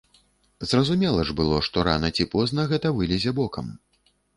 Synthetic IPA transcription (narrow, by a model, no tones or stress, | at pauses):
zrɐzumʲɛlˠɐʐbɨlˠɔʂt̪ɔɾa̰nɐt͡sʲipɔznɐɣɛt̪ɐvɨlʲɛzʲɛbɔkɐm